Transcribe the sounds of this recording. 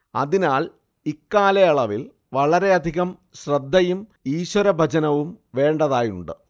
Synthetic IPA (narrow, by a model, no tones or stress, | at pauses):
ɐ̰ðinaːɭ | ikːaːlɐɐɭɐʋil | ʋɐɭɐɾe̞ɐd̪ʱiɣɐmɕrɐd̪ːɐjumiːɕwɐɾɐbʱɐt͡ɕɐnɐʋumʋe̞ːɳɖɐðaːjuɳɖɨ